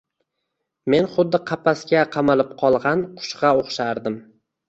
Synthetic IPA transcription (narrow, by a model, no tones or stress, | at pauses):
me̞nχʊd̪ːɪqʰɑpʰaskʲaqʰɑmalɪp̚qʰɒlˠʁɑnqʰʊ̥ʃqɑoχʃaɾd̪ɪm